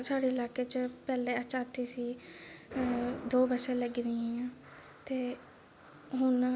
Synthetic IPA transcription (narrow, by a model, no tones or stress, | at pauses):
saːɽeːɪlaːkeːt͡ʃpɛːleːət͡ʃaːʈ̪ʰiːsiː | d̪oːbəsẽːləɡd̪iːããː | t̪eː | ɦʊn